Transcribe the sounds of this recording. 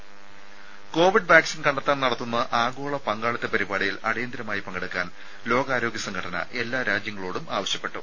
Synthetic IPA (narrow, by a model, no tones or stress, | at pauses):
ko̞ːʋiɖ̚baːksinkɐɳɖɐt̪ːaːnnɐɽɐt̪ːunːɐʔaːɡo̞ːɭɐpɐŋɡaːɭɐt̪ːepɐɾibaːɽijilɐɽɐjɐnd̪ɾɐmaːjipɐŋɡɐɽukːaːn | lo̞ːɡaːɾo̞ːɡjɐsɐŋɡʰʱɐʈɐnɐ̰ʔe̞lːaːɾaːd͡ʑjɐŋːɐɭoːɽumaːʋɐɕjɐpːeʈːu